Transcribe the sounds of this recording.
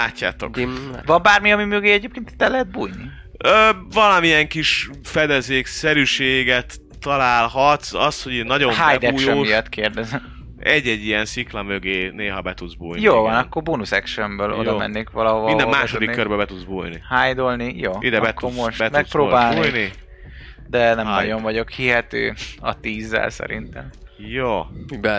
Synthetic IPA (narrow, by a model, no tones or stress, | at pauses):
laːcːa̰ːt̪o̞̰kvɒmbaːrmiɒmimøɡeːɛɟeːpkeːnt̪i̥t̪ːɛlːɛɦɛd̪̚buːjni | øːvɒlɒmiɛŋkiʃ | fɛd̪ɛzeːksɛɾyʃeːɡɛt̪ː | ɒlaːlɦɒt̪sɒ̰sho̞ɟinnːɒɟomhajɛd̪ɛujʃɛːmijɒt̪ːkʰeːrd̪ɛzɛm | ɛɟːɛɟːijɛnsiklɒmøɡeːneːɦɒbɛt̪ud̪zbuːjnj̪joːvɒnɒkːoɾbonusɛkʃɛmbøːlʔojd̪ɒːmɛ̰nːeːkʋɒlɒoind̪ɛmaːʃod̪ikkːørbɛbɛt̪ud̪zbṵːjnḭhaːjd̪olnijoːid̪ɛbɛtːomoʃbɛtmɛsprɾoːbaːlnːjni | d̪ɛnɛmnɒɟo̞ɱvɒɟo̞khiɦɛt̪ø̰ːɒ̰t̪iːzːɛ̰lsɛ̰ɾḭnt̪ɛ̰mjoːb